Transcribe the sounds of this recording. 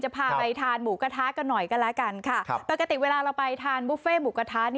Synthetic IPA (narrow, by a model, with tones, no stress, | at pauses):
t͡ɕa˨˩pʰaː˧˩pa˧jt̪ʰaː˧nmuː˩ka˧t̪ʰaː˦˥ka˧nːɔ˨˩jka˧nlɛ˦˥ka˧nkʰa˥˩kpa˨˧˩ka˧t̪i˨˩weː˧laː˧ɾa˧wpa˧jt̪ʰaː˧nbu˦˥feː˥˩muː˨˩˦ka˧t̪ʰaː˦˥ni˦